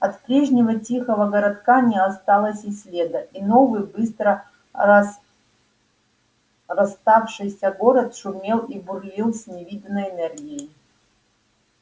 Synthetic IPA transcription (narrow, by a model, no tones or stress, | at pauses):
ɐt̪pɾʲeʐnʲɪvɐtʲixəvɐɡɐɾɐt̪kanʲɪjəast̪alˠəsʲisʲlʲed̪ɐʔino̞vɨjbɨst̪ɾə | rɐst̪afʂɨjsʲɐɡoɾɐt̪ʂʊmʲelˠiburlʲilˠsʲnʲɪvʲid̪ɐnəjɛnɛrɡʲijej